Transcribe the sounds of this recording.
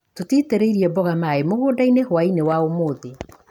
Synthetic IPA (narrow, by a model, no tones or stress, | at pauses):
totiteɾeiɾiɛbɔɣamaemoɣoːdainehowainewaomoːðe